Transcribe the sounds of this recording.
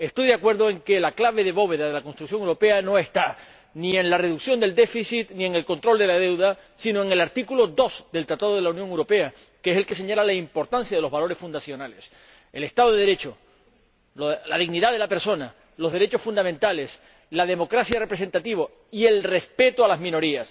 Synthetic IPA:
e̞st̪ojðeakwe̞ɾðoe̞ŋke̞laklaβ̞e̞ðe̞βo̞βe̞ðaðe̞lako̞nst̪ɾuksjoŋewɾo̞pe̞ano̞e̞st̪a | niẽ̞nlare̞ðuksjo̞nd̪e̞ld̪e̞fisit̪nĩe̞ŋe̞lko̞nt̪ɾo̞ld̪e̞lað̞e̞wðasino̞e̞ŋe̞laɾt̪ikulo̞d̪osd̪e̞lt̪ɾat̪aðoð̞e̞launjoŋewɾo̞pe̞a | keese̞lke̞se̞ɲalalaimpo̞ɾt̪ansjaðloβalo̞ɾe̞sfund̪asjo̞nale̞s | ele̞st̪aðoðeðeɾe̞t͡ʃo̞ | olaðiɣniðaðe̞lape̞ɾso̞na | lo̞zðe̞ɾe̞t͡ʃo̞sfund̪amẽnt̪ale̞s | lað̞e̞mo̞kɾasjare̞pɾes̬e̞nt̪at̪iβo | ie̞lre̞spe̞t̪oalazmĩno̞ɾias

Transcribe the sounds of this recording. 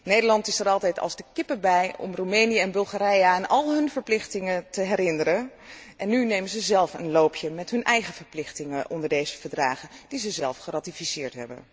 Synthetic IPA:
nejdəɹlɑntɪsəɾɑlˠtɛjtɑ̰lˠzdəkɪpəbɛjɔ̰mrumejnijəɛnbɵlˠχaːɾɛjaanɑlˠɦɵnvəɹplɪχtɪŋətəɦɛrɪnəɾənʔɛnːynejmənzəzɛlˠfə̰nloːpʰjəmɛtɦɵnʔɛjχəv̥əɹplɪχtɪŋəʔɔndəɹdejzəvəɹdraːχəd̥izəzɛlˠfχəraːtifisɪːɹtɦɛ̰bə̰n

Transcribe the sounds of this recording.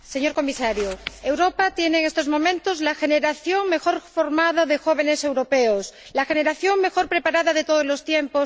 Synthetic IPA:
se̞ɲo̞ɾko̞misaɾjoewɾopat̪jeneːŋest̪ozmõ̞mẽnt̪ozlaxeneɾaθjoŋme̞xo̞ɾfo̞ɾmað̞aðexoβ̞enese̞wɾo̞peos | laxe̞neɾaθjoŋme̞xo̞ɾpɾe̞paɾaðaðet̪oðozlo̞st̪jempos

